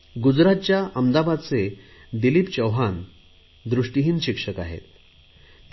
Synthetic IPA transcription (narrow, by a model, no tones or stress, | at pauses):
ɡud͡zɾat̪̚t͡ɕjaʔəmd̪abad̪t͡se | d̪iliːpt͡ɕəwɦan | d̪ɾuʂʈiɦiːnɕikʂəka̰ɦḛt̪